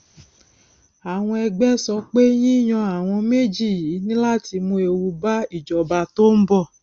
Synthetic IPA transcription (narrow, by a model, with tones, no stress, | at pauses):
a˨w̃ɔ̃˧ɛ˧ɡ͡bɛ˦sɔ˧˦k͡pe˦j̃ĩ˦˨j̃ɔ̃˧a˨w̃ɔ̃˧me˦d͡ʒi˦˨ji˨˦nĩ˦la˦˨ti˧mũ˧e˧wu˧ba˦i˦˨d͡ʒɔ˨ba˧to˦m̩˦bɔ˦˨